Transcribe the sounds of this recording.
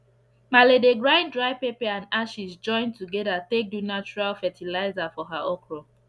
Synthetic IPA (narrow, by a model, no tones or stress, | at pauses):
maledeɡɹãɪ̃ndɹaɪpepɛãndaʃisd͡ʒɔ̃ɪ̃ntuɡɛdatek̚dunat͡ʃuɹalfɛtʰilaɪzafɔɦaɔkɹɔ